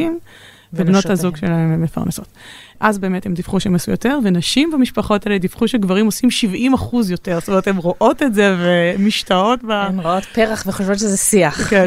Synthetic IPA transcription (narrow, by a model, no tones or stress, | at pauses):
im | vebnotazuɡʃelaememːefa̰ʁneso̞t | ʔazbeːmethemd̪ifχuʃeemasujote̞ʁvenaʃimbamiʃpaχo̞taled̪ifχuʃeɡvaʁimo̞simʃivʔimaχuzjo̞te̞ʁstomeetemʁoʔo̞tetzevemiʃtao̞tbamʁoot̪peʁaχveχoʃvotʃezɛsiaχke